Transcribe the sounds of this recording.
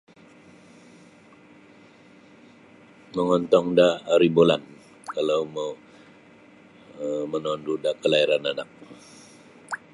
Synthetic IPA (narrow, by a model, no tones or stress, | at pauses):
məŋɔnt̪ɔŋdaːɾibolan | kalawma | mənɔndudakəlaiɾananak̚